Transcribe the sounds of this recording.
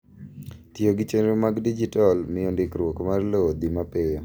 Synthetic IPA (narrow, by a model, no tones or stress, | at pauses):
tjoɡɪt͡ʃenomaɡdid͡ʒitɔlmɪjondɪkɾwokmarlod̪imapejo